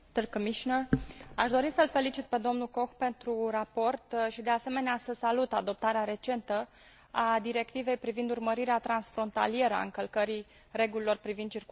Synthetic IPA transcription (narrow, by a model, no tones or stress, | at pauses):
t̪ɨrkəmiʃinəaʃd̪o̞ɾisəlfe̞lit͡ʃit̪̚pe̞d̪o̞mnuko̞xpe̞nt̪ɾurapo̞rt̪ʃid̪e̞ase̞me̞neasəsalut̪ad̪o̞p̚t̪aɾeaɾe̞t͡ʃe̞nt̪ə | ad̪iɾe̞kt̪ive̞jpɾivind̪urməɾiɾeat̪ɾansfɾo̞nt̪a̰lie̞ɾəa̰ɨŋkəlkəɾi | re̞ɡulilo̞rpɾivind̪̚t͡ʃirk